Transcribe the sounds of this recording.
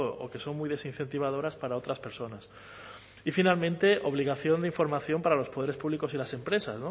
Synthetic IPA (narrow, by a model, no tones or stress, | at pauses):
o̰ke̞so̞nmujðe̞sinθe̞nt̪iβ̞að̞o̞ɾaspaɾao̞t̪ɾaspe̞ɾso̞nas | ifinalmẽ̞nt̪e̞ʔo̞β̞liɣ̞aθjo̞nd̪eiɱfo̞ɾmaθjo̞mpaɾalo̞spo̞ð̞e̞ɾe̞spuβliko̞silase̞mpɾe̞sasno